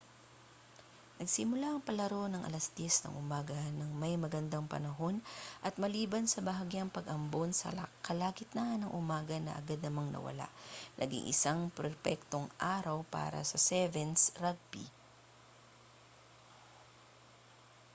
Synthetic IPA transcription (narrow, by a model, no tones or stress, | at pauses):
nɐɡsɪmʊlaʔɐŋpɐlɐɾo̞nɐŋʔɐ̰lɐsd̪̥jɛsnɐ̰ŋʔʊmaːɡɐnɐŋmɐjmɐɡɐnd̪aŋpɐ̰nɐɦo̞nʔɐt̪̚mɐliːbɐnsɐbɐɦaɡjɐŋpɐɡɐmbonsɐ̰kɐlaːɡɪt̪̚naʔnɐŋʔʊmaːɡɐnɐ̰ʔɐ̰ɡad̪̚nɐmaŋnɐ̰wɐ̰la̰ʔnʔɐɡɪ̰ŋʔɪ̰saŋpɾɛpɛk̚t̪o̞ŋʔaːɾɐwpa̰ːɾɐ̰sɐsɛvɛnsɾaɡ̚bḭ